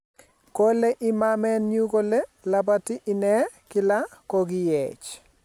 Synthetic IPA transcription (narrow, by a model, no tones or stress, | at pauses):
koleʔɪmamɛnɲukolelap̬atiʔɪnɛkɪlakoɡɪjɛt͡ʃ